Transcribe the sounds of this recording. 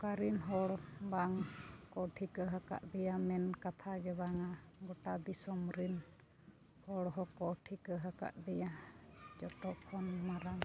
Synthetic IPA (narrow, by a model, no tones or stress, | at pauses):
kaɾinɦɔɽbaŋkɔʈʰikəɦaka̰ʔd̪ɛjamɛnkat̪ʰaɡɛbaŋaɡɔʈad̪isɔmɾin | hɔɽɦɔkɔʈʰikəɦaka̰ʔd̪ɛjad͡ʒɔt̪ɔʔkʰɔnmaɾaŋ